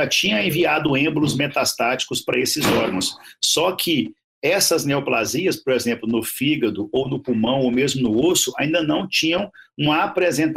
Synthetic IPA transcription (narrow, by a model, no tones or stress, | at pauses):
at͡ʃĩɲɐ̃ẽviad̪ʊẽblʊzmet̪ast̪at͡ʃi̥kʊspɾɐesɪzɔɾɡɐ̃w̃sːɔkʰɪ | ɛsɐzneoplaziɐspoɾezẽmplʊnʊfiɡɐd̪ʊownʊpumɐ̃w̃owmezmʊnʊosʊa̰ĩd̪ɐnɐ̃w̃t͡ʃĩɲɐ̃w̃ | ũmɐapɾezẽnt̪